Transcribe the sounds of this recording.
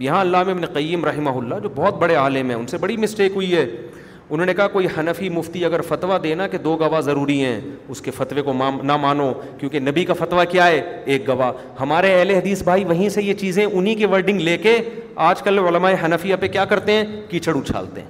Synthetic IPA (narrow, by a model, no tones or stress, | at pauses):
jɐɦãɐlːaːmeɪbneqɐjːəmɾɐɦɪmaɦʊlːad͡ʒoːbɔːt̪̚bɐɽeaːlɪmɦɛ̰̃ʊnsebɐɽimɪsʈeːkɦʊiɦɛː | ʊnɦõːnekɐɦakoːihɐnəfimʊft̪iɐɡəɾfɐt̪ʋad̪eːnaked̪oːɡɐʋazɐɾuːɾiɦɛ̰̃ːʊskefɐt̪ʋekomaːnamaːnokjõːkenɐbikafɐt̪ʋakjaɦɛːeːk̚ɡɐʋa | hɐmaːɾeɛɦleɦɐd̪iːsbʱaːiʋɐɦĩsejet͡ʃiːzẽʔʊnɦikeʋɐɾɖɪ̃ŋɡleːkeaːd͡ʒkəlʊləmaːeɦɐnəfijapekjaːkɐɾt̪eɦɛ̃ːkit͡ʃəɽut͡ʃʰa̰ːlt̪ḛɦɛ̰̃ː